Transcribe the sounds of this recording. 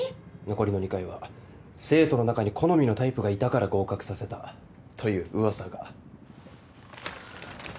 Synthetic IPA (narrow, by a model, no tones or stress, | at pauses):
no̞ko̞ɾʲino̞ɲ̟ikaiβa | se̞ːt̪o̞no̞nakaɲ̟ikʰo̞no̞mʲino̞t̪aipɯ̟ɡait̪akaɾaɡo̞ːkakɯ̟̥sase̞t̪a | t̪ʰo̞jɯ̟ːʔɯ̟βasaɡa